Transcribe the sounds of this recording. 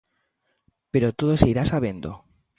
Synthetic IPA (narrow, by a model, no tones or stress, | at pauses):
pe̞ɾot̪oð̞o̞seiɾasaβje̞nd̪o̰